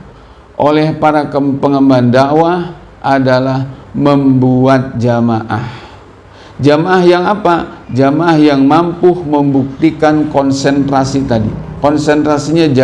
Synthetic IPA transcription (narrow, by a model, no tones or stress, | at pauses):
ʔolɛhpaɾakəmpəŋəmbandawa | ʔadalahməmbuat̪̚d͡ʒamaʔa̰h | d͡ʒamaʔahjaŋapad͡ʒamaʔahjaŋmampʊhməmbuk̚t̪ikankɔnsɛnt̪ɾasit̪adikɔnsɛnt̪ɾasiɲad͡ʒa